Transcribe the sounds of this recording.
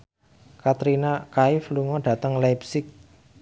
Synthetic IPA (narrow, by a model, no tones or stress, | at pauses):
kat̪ɾinakaɪfluŋɔdɖ̥ä̤t̪əŋlapsɪk̚